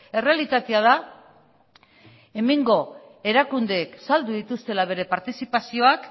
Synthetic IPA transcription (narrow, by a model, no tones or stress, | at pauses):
e̞re̞alit̪at̪e̞að̞a | e̞meŋɡo̞ | e̞ɾakund̪eːksald̪uðit̪ust̪e̞laβ̞e̞ɾe̞paɾt̪isipasio̞ak